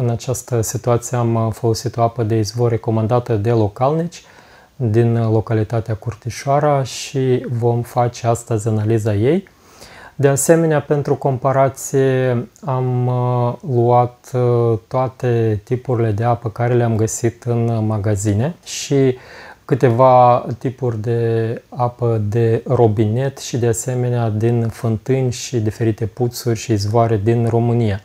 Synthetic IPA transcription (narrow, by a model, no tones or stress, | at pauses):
ɨnat͡ʃast̪əsit̪uat̪sijeamfolo̞sit̪o̞apəd̪e̞izvoɾe̞ko̞mand̪at̪əd̪e̞lo̞kalnit͡ʃʲ | d̪inlo̞kalit̪at̪eakurt̪iʃoaɾəʃivo̞mfat͡ʃe̞ast̪əzʲanalizaje̞j | d̪e̞ase̞me̞neape̞nt̪ɾuko̞mpaɾat̪sije̞am | luat̪t̪ːoat̪e̞t̪ipuɾile̞d̪e̞apəkaɾe̞leamɡəsit̪ɨnmaɡazine̞ʃikɨt̪e̞vat̪ipurʲd̪e̞apəd̪e̞ro̞bine̞t̪ʃid̪ease̞me̞nead̪infɨnt̪ɨnʲʃid̪ife̞ɾit̪e̞put̪surʲʃiːzvoaɾe̞d̪inro̞mɨnija